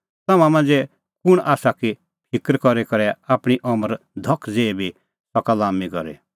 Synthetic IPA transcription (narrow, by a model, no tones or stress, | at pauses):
t̪aːmãmãːnd͡zɛ | kʊɽ̃ʔaːsaki | pʰɪkɾkɔɾekɔɾɛaːpɽ̃iʔɔməɾ | d̪ʱɔkʰːd͡zeːbʱi | sɔkalaːmikɔ̰ɾḛ